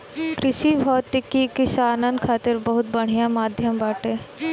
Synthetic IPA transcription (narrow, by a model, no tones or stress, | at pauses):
kɾɪʃibʱɔːt̪ɪkːikɪʃaːnə̃nd̪̚kʰaːt̪ɪɾbɐɦʊt̪̚bɐɽ̤ijãmaːd̪ʱjəmbaːʈeː